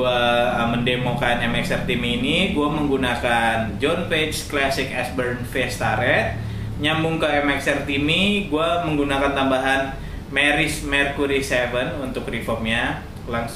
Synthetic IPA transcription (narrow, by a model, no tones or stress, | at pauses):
uaəməndemokanɛmɛksɛrt̪imiːniɡuaməŋɡunakand͡ʒɔnpesklasɪkɛsbərnfɛst̪aɾɛt̪̚ | ɲambuŋkaɛmɛksɛrt̪imiɡuaməŋɡunakant̪ambaɦan | mɛɾɪsmɛrkuɾisɛvənunt̪ʊkrifɔmɲa | laŋ